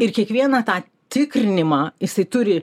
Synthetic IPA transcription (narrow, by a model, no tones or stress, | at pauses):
ɪrkʲiɛkʋʲiɛnɑːt̪ɑː | t̪ʲɪkɾʲɪnʲɪmɑːjɪsɐɪt̪ʊɾʲɪ